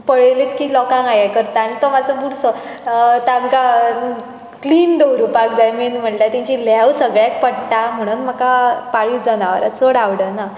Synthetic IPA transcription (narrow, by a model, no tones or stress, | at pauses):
pəɭelet̪kiːlɔkãŋɡajakəɾt̪aːnit̪ɔmat͡səbuɾsɔ | t̪ãŋka | kliːnd̪owɾupakd͡zajminm̤əʈʈat̪ĩɲt͡ɕilawsəɡɭjat̪pəɽt̪am̤əɽ̃uːnm̤əkapaɭiːd͡zanaʋə̰ɾat͡səɽaʋɽəna